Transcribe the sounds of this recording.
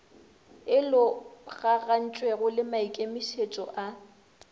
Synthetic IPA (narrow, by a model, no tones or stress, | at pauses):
ɪlʊɣaɣan̩t͡ʃʼweɣʊlɪmaikʼemiʃet͡ʃʼɔ̰ʔa